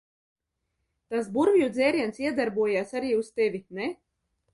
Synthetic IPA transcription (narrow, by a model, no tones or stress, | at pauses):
t̪as̬buɾvijud̪zeːɾiɛnsiɛd̪aɾbuɔjaːsaɾiːust̪evʲinɛ